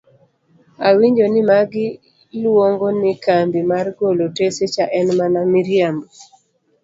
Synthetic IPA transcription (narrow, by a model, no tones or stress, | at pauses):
awiɲd͡ʒonɪmaɡɪ | lwoŋɡonɪkambimarɡoloteset͡ʃaʔɛnmanamiɾjamo